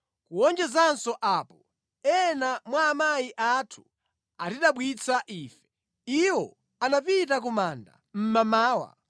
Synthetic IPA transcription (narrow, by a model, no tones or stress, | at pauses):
kuwɔnd͡ʒɛzansɔʔaːpɔ | ɛnamwaːmajiʔatʰu̥ | atiɗaɓwit͡sʰaʔiːfɛ̥ | iwɔ | anapitak̬umaːnda̰ | m̩mamaːwa̰